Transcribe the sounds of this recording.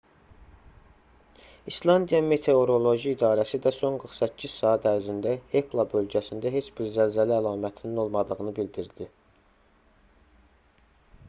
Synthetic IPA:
islˠɑnd̪ijɑme̞t̪ʰe̞o̞ɾo̞lˠoʒiːd̪ɑːɾæsid̪æso̞nɡɯɾχsæcʰːiz̥sɑːæt̪ʰæɾzind̪æe̞kʰlˠɑbø̞lɟæsind̪æɦe̞t͡ʃbiɾzælzæliælɑːmæt̪ʰinino̞lˠmɑd̪ɯɣɯnɯbild̪iɾd̪i

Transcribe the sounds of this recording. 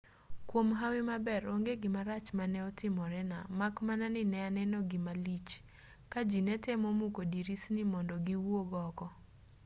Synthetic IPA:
kwomɦawɪmabɛɾoŋɡeɡɪmaɾat͡ʃmanɛɔtɪmɔɾɛnamakmananɪnɛanɛnɔɡɪmalit͡ʃ | kad͡ʒinɛtemomukodiɾisnɪmɔndɔɡiwoɡɔɡɔ

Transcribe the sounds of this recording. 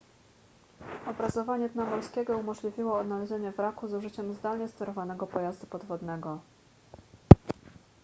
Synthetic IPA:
ɔbɾazɔvaɲɛd̪namɔlskʲɛɡɔumɔʐlʲivʲiwɔːd̪nalɛʑeɲɛvɾakuzuʐɘt͡ɕɛmzd̪alɲɛst̪ɛɾɔvanɛɡɔpɔjazd̪upɔd̪vɔd̪nɛɡɔ

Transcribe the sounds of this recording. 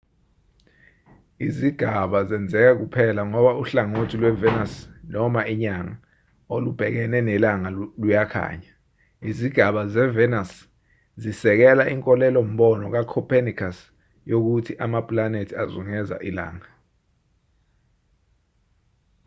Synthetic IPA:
iziɡ̥ʱaɓazɛnd͡zʱɛk̬ɛk̬upʰɛlaŋɔɓauɬaŋotʰilwɛvɛnasnɔmaiɲaŋa | olub̥ʱɛk̬ɛnɛnɛlaŋalujakʰa̰ːɲa | iziɡ̥ʱaɓazɛvɛnas | zisɛk̬ɛlaʔiŋkʼɔlɛlɔm̩ɓɔnɔk̬akʰɔpʰenikʰas | jok̬utʰiʔamapʼlanetʰiazuŋɛza̰ʔila̰ːŋa

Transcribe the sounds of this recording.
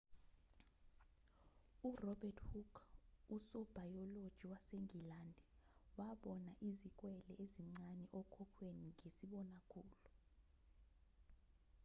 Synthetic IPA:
urɔbʱɛtʰʼhukʰusɔb̥ʱajɔlod̥ʒ̥ʱiwaseŋʱilandʱɛwaɓɔnaʔizikʼwɛlɛʔeziŋ͡ǀanɛʔɔkʰɔkʰweniŋʱesiɓɔnakʰuːlu

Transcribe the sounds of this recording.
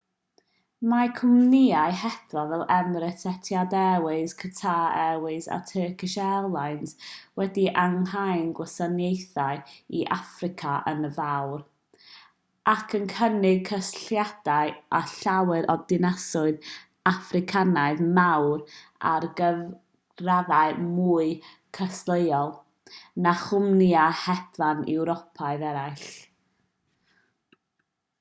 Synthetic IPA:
makʰʊmnɪajhɛθrɔvɛlˠʔɛmɾɪtʰɛtʰjadɛwɨskʰətʰaɛwɨza̰tʰəːkʰɪʃɛlˠajnz̥wɛdiʔaŋɦajnɡwəsanjejθaɨiʔafrɪkʰaʔə̰nəvawr | ʔakʰənkʰənɪɡ̚kʰəsɬjad̥aɨaɬawɨɾɔdɪnasʊɨð | afrɪkʰanaɨðmawra̰rɡəv | raðaɨmuːɨ | kʰəslˠəjɔlˠ | naχʊmnjahɛd̥vanɛ̰wɾɔpʰaɨðɛɾaɨɬ

